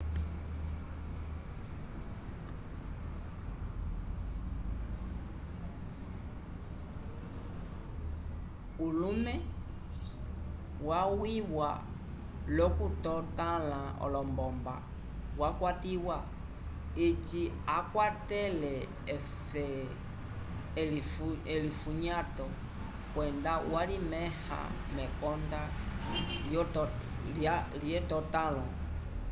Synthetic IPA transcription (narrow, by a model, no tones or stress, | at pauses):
ulũmɛ̃ | wawiwa̰ | lɔkutɔtãlãɔ̰lɔmbɔmba̰ | wakwatiwa | et͡ʃi | akwatɛlɛ | fɛ | ɛlifuɲatɔ | kwɛndawalimɛha̰ | mɛkɔnda | j | laljɛtɔtalɔ